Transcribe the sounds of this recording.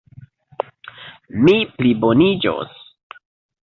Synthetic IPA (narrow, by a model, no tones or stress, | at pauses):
miplibonid͡ʒo̰s